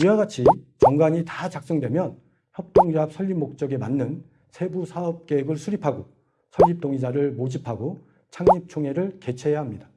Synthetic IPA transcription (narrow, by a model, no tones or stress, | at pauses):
iwaɡat͡ɕʰit͡ɕʌŋɡaɲitat͡ɕak̚s͈ʌŋdwe̞mjʌn | çjʌp̚t͈oŋd͡ʑap̚sʰʌʎːimːok̚t͡ɕ͈ʌɡe̞manːɯn | sʰe̞busʰaʌp̚k͈eeɡɯɭsʰuɾipʰaɡo | sʰʌʎːip̚t͈oŋid͡ʑaɾɯɭmod͡ʑipʰaɡo | t͡ɕʰaŋɲip̚t͡ɕʰoŋɦe̞ɾɯɭke̞t͡ɕʰe̞jaɦamɲida